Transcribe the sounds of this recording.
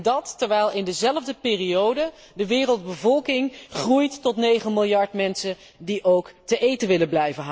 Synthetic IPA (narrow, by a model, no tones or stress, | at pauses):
dɑtːəɹʋɛjlˠɪndəzɛləvdəpɪːriowdə | dəʋɪːrəlˠd̚bəvɔlˠkɪŋχrujtːɔtnejχənmɪlˠjɑɹtmɛnsən | diʔowktəʔejtənʋɪlənblɛjvəɦa